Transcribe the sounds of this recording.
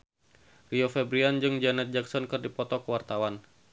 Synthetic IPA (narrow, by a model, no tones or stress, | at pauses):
riofɛbɾiand͡ʒɨŋd͡ʒanɛt̪̚d͡ʒaksɔnkɨrdipɔt̪ɔkəwart̪awan